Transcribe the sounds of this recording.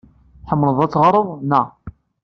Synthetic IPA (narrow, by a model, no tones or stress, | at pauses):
ħəmːləðˤæt͡sːʁəɾˤəðˤnæ